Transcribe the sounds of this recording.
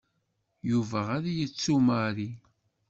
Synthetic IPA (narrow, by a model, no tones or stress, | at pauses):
juvæaɾajət͡sːumaɾi